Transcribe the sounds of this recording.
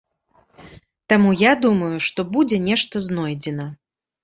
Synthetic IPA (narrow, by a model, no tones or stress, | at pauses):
t̪amujad̪umɐjuʂt̪ɔbud͡zʲɛnʲɛʂt̪ɐznɔjd͡zʲɛnɐ